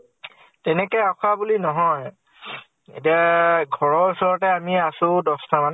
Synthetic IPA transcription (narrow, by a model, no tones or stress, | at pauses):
tɛnɛkɛaxabulinɔɦɔj | ḛtiaɡʱɔɹɔɹusɔɹɔtɛamiasʊ̃dɔstʰaman